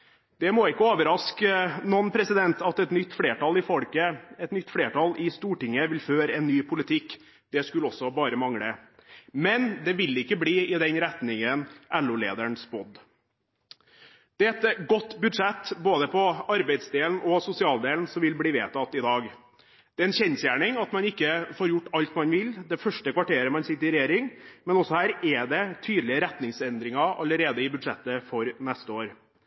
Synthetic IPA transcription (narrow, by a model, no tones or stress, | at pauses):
d̪̥ɛmɔɪkːəoːʋəɾɑskənɔnpʰɾɛsɪd̪ɛnt̪ɑt̪ɛt̪nʏt̪ːfɽeːʈɑlɪfɔɽkəɛt̪nʏt̪ːfɽeːʈɑlɪst̪uːʈɪŋəʋɪlføːɾəɛnːyːpʰʊlɪt̪ʰɪkː | d̪̥ɛskʉlɔsːɔbɑːɾəmɑŋɽəmɛnd̪ɛʋɪlɪkːəbliːɪd̪ɛnɾɛt̪nɪŋənʔɛlːʊlḛːd̪æɳsbɔd̪ | d̪̥ɛɛt̪ɡɔt̪ːbʉd̪ʂɛt̪ːboːd̪əpʰɔɑɾbæɪd̪sd̪eːln̩ɔsʊsɪɑːld̪eːln̩sɔmʋɪlbliːʋeːt̪ʰɑt̪ːɪd̪ɑːɡ | d̪̥ɛːɛːnçɛnsjæːɳɪŋɑt̪mɑnɪkːəfoːɾjʊʈːɑlt̪mɑnʋɪld̪ɛfœʂʈəkʰʋɑʈeːɾəmɑnsɪt̪ːəɾɪɾɛjeːɾɪŋmɛnɔsːɔhæːɾɛɖ̪ɛt̪ʰyːd̪lɪəɾɛt̪nɪŋsɛnd̪ɾɪŋɑɑ̰ləɾeːd̪əɪbʉd̪ʂɛt̪ːəfɔɾnɛst̪əoːɾ